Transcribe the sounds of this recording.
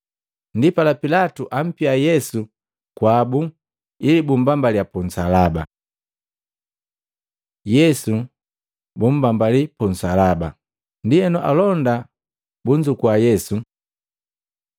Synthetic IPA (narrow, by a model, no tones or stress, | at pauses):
ndipalapilatuʔam̩piajɛsu | kwabu | ilibumbambaliapun̩salaba̰ | jɛsu | bum̩bambalipun̩salaba | ndiɛnɔʔa̰lɔnda | buɲd͡ʒukwajɛsu